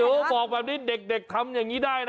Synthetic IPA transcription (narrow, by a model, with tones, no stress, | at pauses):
bɔː˨˩k̚bɛː˨˩p̚niː˥˩de˨˩k̚de˨˩k̚t̪ʰa˧mjaː˨˩ŋːiː˦˥daː˥˩ja˦